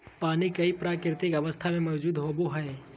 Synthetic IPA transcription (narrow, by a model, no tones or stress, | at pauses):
paːnikɐipɾaːkɪɾɪt̪ɪkɐʋəst̪ʰamẽmɐʊd͡ʒuːd̪ɦoboɦɛː